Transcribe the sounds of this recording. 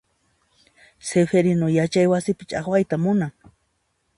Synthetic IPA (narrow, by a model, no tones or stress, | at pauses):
sefeɾɪnojat͡ʃajwasɪpɪ̥t͡ʃaχwajt̪amʊnaŋ